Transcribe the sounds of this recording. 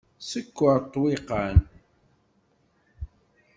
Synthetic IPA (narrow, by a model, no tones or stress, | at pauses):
səkːəɾt̪ˤːwiqən